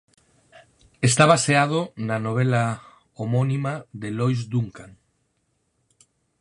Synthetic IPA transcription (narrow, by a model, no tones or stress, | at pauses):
est̪aβaseað̞onanoβ̞ela | omonimaðelojzd̪uŋkaŋ